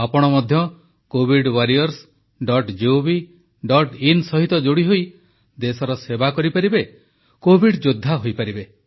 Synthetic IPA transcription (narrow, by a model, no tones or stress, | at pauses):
apɔɽ̃ɔmɔd̪ʱjɔ | kobʱiɖwaɾiɔɾs | ɖɔʈd͡ʒiobi | ɖɔʈinsɔɦit̪ɔd͡ʒoɽiɦoj | d̪esɔɾɔsebakɔɾipaɾibe | kobʱiɖd͡ʒod̪ʱːaɦojpaɾibe